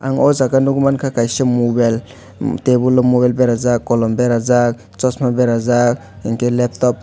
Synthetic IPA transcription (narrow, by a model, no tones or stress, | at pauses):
aŋozakanduɡumankʰakajʃemubɛl | tebulɔmubɛlbɛɾazakːɔlɔmbɛɾazak̚ | t͡sɔsmabɛɾazak | eŋkelɛp̚t̪ɔp̚